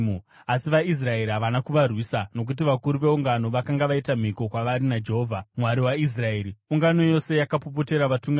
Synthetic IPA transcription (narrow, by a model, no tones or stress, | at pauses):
asiʋais̬rae̞ɾiɦaʋanakuʋarwisano̞k̬ut̬iʋakuɾuʋe̞uŋɡano̞ʋakaŋɡaʋaitam̤iko̞kwaʋaɾinad͡ʒeɦoːvʱamwaɾiwais̬rae̞ːɾiuŋɡano̞jo̞se̞jakapop̬o̞te̞ɾaʋatuŋɡa